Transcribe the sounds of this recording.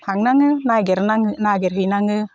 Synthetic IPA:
haŋnaŋɯnajɡɛɾnaŋɯnaɡeɾɦinaŋɯ

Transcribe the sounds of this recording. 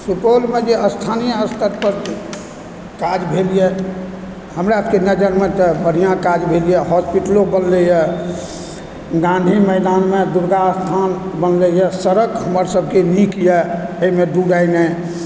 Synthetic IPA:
supolmed͡ʒeəst̪ʰanijəəst̪ʰəɾpəɾ | kad͡ʒbʱelijɛ | həmɾapkenəd͡ʒəɾmet̪ɔbəɾ̤ijãkad͡ʒbʱelijɛɦɔspiʈlobənlɛjɛ | ɡãnd̪ʱiməɪd̪anmed̪uɾɡ̪ast̪ʰanbənlɛjɛsəɾəkɦəməɾsəb̚ʱkenikjɛeimed̪uɖaɪne

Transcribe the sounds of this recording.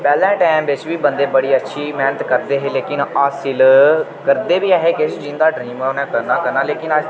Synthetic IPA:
pɛːlɛ̃ːʈaːmʋɪt͡ʃʋiːbə̃nd̪eːbəɽiːətːʃʰiːmɛːnət̪kəɾd̪eːɦeːleːkɪnaːsɪlkəɾd̪eːʋiːaːɦeːkɪsd͡ʒɪ̃nd̪aːɖɾiːmənɛ̃ːkəɾnãːkəɾnãːleːkɪna

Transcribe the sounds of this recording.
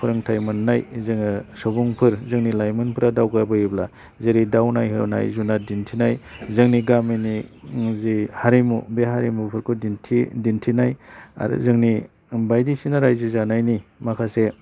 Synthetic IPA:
pʰuɾɯŋtʰajmɯnːajzɯŋnasobuŋpʰɯɾzɯŋnilajmɯnpʰɯɾadawɡabɯjibla̰ | zeɾidawnajɦɯ̰na̰jzunadintʰinajzɯŋniɡaminizihaɾimṵbeɦaɾimupʰɯɾkʰudintʰidintʰinaja̰zɯŋni | bajdisinaɾajzizanajnimakʰase

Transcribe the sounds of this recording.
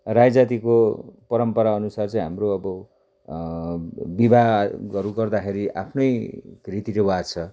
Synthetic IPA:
rajd͡zat̪ikopʌɾʌmpʌɾaʌnusart͡saĩɦamroʌbʌ | bibʱaɡʌɾuɡʌrd̪akʰeɾiʔa̰pʰnʌjrit̪iɾewad̪t͡sʰʌ

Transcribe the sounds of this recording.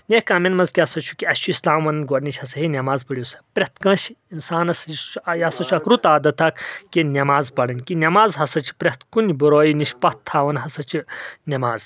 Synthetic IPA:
nʲekaːmenmɐnzkʲasɐt͡ʃʰu̥kʲiɐʃʰuislaːmʋɐnɐnɡoɾnʲit͡ʃʰɐsɐɦinʲɐmaːzpəɽjusɐ̥pɾʲeht̪ʰkɐ̃ːsinsaːnɐsjist͡ʃʰjasɐt͡ʃʰuɐkɾut̪aːd̪ɐt̪ʰɐkʰkenʲɐmaːzpɐɽɐnʲkinʲɐmaːzɦɐsɐt͡ʃʰi̥pɾʲet̪ʰkunbuɾoːjiniʃʲpɐt̪ʰːaːʋɐnɦɐsɐt͡ʃʰinʲɐmaːz

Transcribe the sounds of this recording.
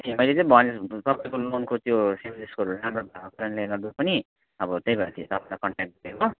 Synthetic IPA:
t̪ʰimʌjlet͡sʌ̃ĩbʱʌnist̪ʌpaĩkolonkot̪josimiskoɾulamɾobʱaɡokʌɾʌnleɡʌrd̪upʌni | ʌbʌt̪ejbʌɾat̪ʰiet̪ʌpaĩlakʌɳʈekʈ̚ɡʌdeko

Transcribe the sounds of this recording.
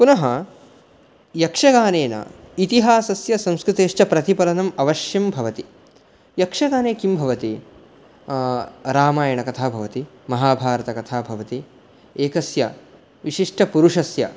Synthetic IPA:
punɐɦɐ | jɐkʂɐɡaːneːnɐ̰it̪iɦaːsɐsjɐsɐ̃mskɾɪt̪eːʂt͡ʃɐpɾɐt̪ipɐlɐnɐmɐʋɐʃjɐmbʱɐʋɐt̪i | jɐkʂɐɡaːneːkimbʱɐʋɐt̪i | ɾaːmaːjɐɳɐkɐt̪ʰaːbʱɐʋɐt̪i | mɐɦaːbʱaːɾɐt̪ɐkɐt̪ʰaːbʱɐʋɐt̪i | eːkɐsjɐ̰ | ʋiʃiʂʈʰɐpuɾuʂɐsjɐ̰

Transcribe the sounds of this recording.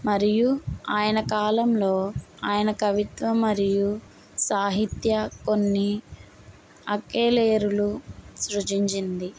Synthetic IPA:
mɐɾijuaːjɐnɐkaːlɐmlo̞ːaːjɐnɐkɐʋit̪ʋɐmɐɾiju | saːɦit̪jɐko̞nːi | ɐkeːleːɾulusɾut͡ʃiɲt͡ʃind̪i

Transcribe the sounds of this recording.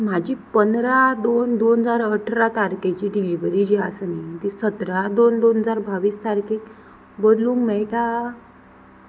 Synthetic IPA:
m̤ad͡ʑʱipənɾad̪ond̪onəd͡zaɾəʈʰɾat̪aɾket͡ɕiːɖiliʋɾid͡ʑiasanit̪isət̪ɾad̪ond̪onɦəd͡zaɾbaʋiːst̪aɾkek | bəd̪lũːŋkmɛɭʈ̪a

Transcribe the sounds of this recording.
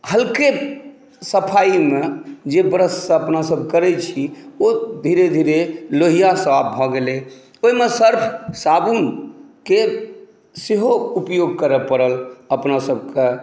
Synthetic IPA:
həlke | səpʰaimed͡ʒebɾəssəpnasəbʱkəɾɛt͡ʃʰiod̪ʱiɾed̪ʱiɾeloɦijasəabʱɔɡele | oimesəɾpʰsabunke | seɦoupjoɡ̚kəɾəpəɾələpnasəb̚ʱke

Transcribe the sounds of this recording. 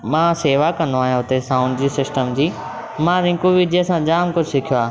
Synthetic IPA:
mãːseːʋakɐ̃nd̪oaːɦijãɦʊt̪esãːʊ̃ɳɖd͡ʑiːsɪsʈəmd͡ʑiː | mãɾɪ̃ːkuʋid̪iəsãd͡ʑaːmkʊd͡ʑʱsɪkʰijoaː

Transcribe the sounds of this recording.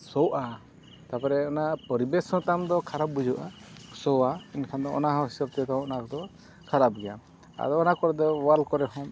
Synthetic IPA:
sɔwʔa | t̪apɛɾɛɔnapɔɾibɛsɔ̃t̪amd̪ɔkʰaɾab̚ːud͡ʒuʔasɔwainkʰand̪ɔɔ̰naɦɔ̃ɦisɔɾ̚t̪ijɔt̪aɔnakd̪ɔ | kʰaɾab̚ɡɛja̰ | a̰d̪ɔːnakɔɾɛd̪ɔwalkɔɾɛɦɔm

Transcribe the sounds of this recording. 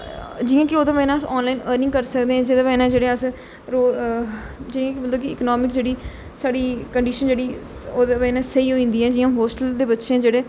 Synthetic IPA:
d͡ʒijãːkɪoːd̪ãːʋɛːnãsɔːnlaːiːnəːɾnɪ̃ŋɡkəɾsəkd̪eːɛ̃ːd͡ʒɪd̪ãʋɛːnãːd͡ʒeːɽeːəs | ɾoː | d͡ʒɪijãːkɪbəld̪oːkɪɪ̰knɔːmɪkd͡ʒeːɽiː | saːɽiːkəɳɖiːʃənd͡ʒeːɽiːoːd̪aʋɛ̃ːnãːsəiːɦoːĩːnd̪iːɛ̃ːd͡ʒɪːãːɦoːsʈəld̪eːbətːʃẽd͡ʒeːɽeː

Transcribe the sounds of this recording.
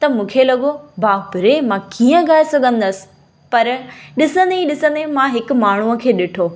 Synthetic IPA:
t̪ɐmũːkʰelɐɠobaːbɪɾemãkiːə̃ɡaːesɐɡʱə̃nd̪əsɪ̥̆ | pɐɾɗɪsə̃nd̪eiɗɪsə̃nd̪emãɦɪkʊ̆maːɳ̤uə̆kʰeːɗɪʈʰoː

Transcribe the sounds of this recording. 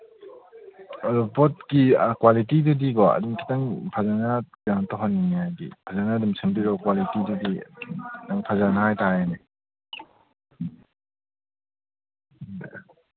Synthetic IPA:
adɔpɔt̚kikwalitidudiɡɔa̰dumkʰi̥taŋpʰazana | antɔɦɔnːinijajɡḭpʰazanadumsʰɯŋbiɾɔkwalitidudi | naŋpʰazanahajtajane

